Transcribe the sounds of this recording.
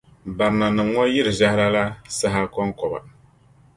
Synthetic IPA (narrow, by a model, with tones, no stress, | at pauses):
ba˨ɾɨ˨na˨nɨ˨mŋɔ˦jɪ˦ɾɨ˨ʒa˦hɪ˦ɾa˦la˦sa˦ɦa˦kɔ˦ŋkɔ˨ba̰˨